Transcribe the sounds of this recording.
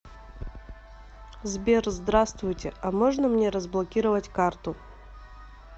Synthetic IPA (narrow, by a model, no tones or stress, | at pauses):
zbʲerzd̪ɾast̪vʊjtʲɪamoʐnəmnʲeɾəzblˠɐkʲiɾəvətʲkart̪ʊ